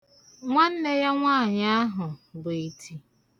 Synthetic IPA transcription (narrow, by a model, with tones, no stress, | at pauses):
ŋʷa˦n̩˦ne˦ja˦ŋʷaː˦˨ɲa˦ɦʊ˨bʊ˨i˨tʰi˨